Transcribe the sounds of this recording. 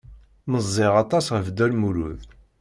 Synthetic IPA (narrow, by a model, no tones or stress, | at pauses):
məzˤːɪʁɑt̪ˤɑsʁəvd̪ælmuɾṵð